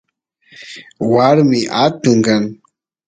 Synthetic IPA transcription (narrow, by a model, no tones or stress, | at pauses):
waɾmɪʔat̪ʊŋɡaŋ